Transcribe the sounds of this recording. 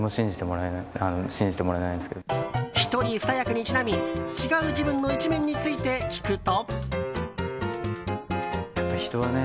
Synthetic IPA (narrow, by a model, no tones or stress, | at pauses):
moɕĩɲ̟d͡ʑit̪e̞moɾaenaanoɕĩɲd͡ʑit̪emo̞ɾaenaĩnd̪eske̞d̪çi̥t̪o̞ɾʲiɸɯ̟̥t̪ajakɯ̟ɲ̟it͡ɕinamʲit͡ɕiɡaɯ̟d͡ʑibɯ̟̃nːo̞it͡ɕimẽ̞ɲ̟ːit͡sɨit̪e̞kʲi̥kɯ̟t̪o̞ | çi̥t̪o̞βane